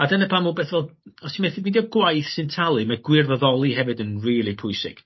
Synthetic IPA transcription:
adənəpʰamubeːθvɛlˠdɔsʰimeθɪdnidjɔɡwajθsɪntʰalˠɨmaɡ̥wɪrvəðɔlˠiɦɛvɨdənriːlˠipʰʊɨsɪ̰ɡ̥

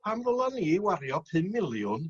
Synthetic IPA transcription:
pʰamrɔlˠaniːwaɾjɔpʰɨmːɪlˠjʊn

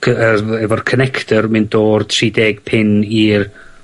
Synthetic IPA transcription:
kʰəəɛvɔrkʰənɛkʰtʰərmɨndoːrdʰrideːɡ̥̚pʰɪnir

